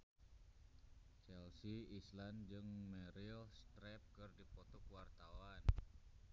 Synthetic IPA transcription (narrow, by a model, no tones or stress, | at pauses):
t͡ʃɛlsiisland͡ʒɨŋmɛɾilst̪ɾɛp̚kɨrdipɔt̪ɔkwart̪awan